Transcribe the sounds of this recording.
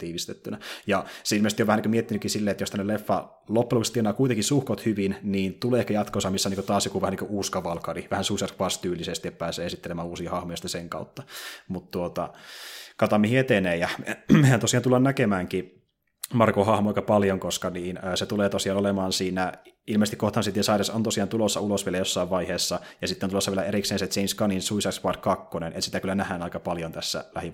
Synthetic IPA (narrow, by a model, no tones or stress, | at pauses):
t̪iːʋist̪et̪ːynæjɑseilmest̪ioʋæhniːkømiet̪ːinykːisilːeːet̪jost̪ænːelefːɑ | lopːelukst̪ienɑːkuit̪eŋkisuhkot̪hyʋinniːnt̪uleːehkæjɑt̪kosɑmisːoniːkət̪ɑːsjokuʋæhæniŋkøʔuːskɑʋɑlkɑriʋæhænsusɑrʋɑst̪yːlisest̪ietpæːseːesit̪ːelemæːuːsiːhɑhmojosit̪æseŋkɑ̰ut̪ːɑmut̪t̪uot̪ɑ̰ | kɑt̪ɑmːihiet̪eneːjɑmmehænt̪osiˑjɑnt̪ulːɑnnækemæːŋki | mɑrkohɑhmoɑikɑpɑljoŋkoskɑniːnəːset̪uleːt̪osiɑːnolemɑːnsiːnæilmest̪ikoht̪ɑnsit̪jɑsɑireso̰nt̪osiɑnt̪ulosːɑulosʋielæjosːɑiʋʋɑiheːsːɑjɑsit̪ːeonulosːʋielæeɾikseːnset̪seinskɑninsuisɑkspɑdkɑkːonenḛt̪si̥t̪ækylːænæhænɑikɑpɑljont̪æsːæ̰læ̰hi